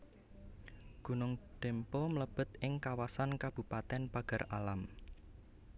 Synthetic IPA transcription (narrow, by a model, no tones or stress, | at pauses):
ɡ̥ṳnʊŋd̪̥empɔmələb̥ə̤t̪ɪŋkawasankab̥ṳpat̪ɛnpaɡ̥ə̤ralam